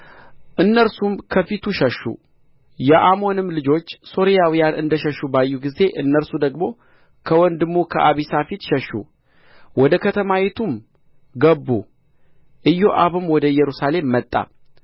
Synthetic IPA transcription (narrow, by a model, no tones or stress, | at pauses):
ʔɨnːəɾsumkʰəfit̪ʰuʃəʃːṵ | jɛʔamo̞nɨmlɨd͡ʒo̞t͡ʃːso̞ɾijawijanʔɨnd̪əʃəʃːubajːuɡize̞ʔɨnːəɾsud̪əɡmo̞ | kʰəwɔnd̪ɨmːukʰəʔaβisafit̪ʃəʃːṵ | wɔd̪əkʰət̪ʰəmawet̪ʰum | ɡəbːu | ʔɨjːo̞ʔaβɨmwɔd̪əjɛɾusale̞mːət̪ʼːa̰